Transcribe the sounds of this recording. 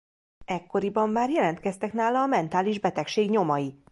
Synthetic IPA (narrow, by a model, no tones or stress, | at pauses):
ɛkːo̞ɾibɒmːaːrjɛlɛnt̪̚kɛst̪ɛkn̪aːlɒːmɛnt̪aːliʒbɛt̪ɛkʃeːɡɲo̞mɒji